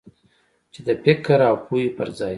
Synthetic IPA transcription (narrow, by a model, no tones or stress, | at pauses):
t͡ʃed̪əpɪkaɾawpʰujopəɾzɑj